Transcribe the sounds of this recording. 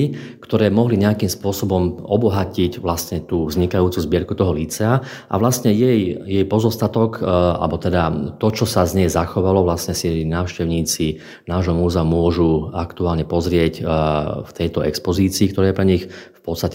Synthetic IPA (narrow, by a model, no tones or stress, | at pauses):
ikt̪ɔɾɛːmɔɦliɲɛakimspʊɔsɔbɔmɔbɔɦacicʋlast̪ɲɛt̪uːvzɲikajuːt͡suzbɪɛɾkut̪ɔɦɔlit͡sɛa | ʔa̰ʋlast̪ɲɛjɛjjɛjpɔzɔst̪at̪ɔka̰lbɔt̪ɛd̪at̪ɔt͡ʃɔsazɲɛjzaxɔʋalɔʋlasɲɛsinaːʊʃcɛʊɲiːt͡si | naːʒɦɔmuːzɛumʊɔʒuakt̪uaːlɲɛpɔzɾɪɛcft̪ɛjt̪ɔɛkspɔziːt͡siːk̚t̪ɔɾɛːjɛpɾɛɲixfpɔt̪st̪a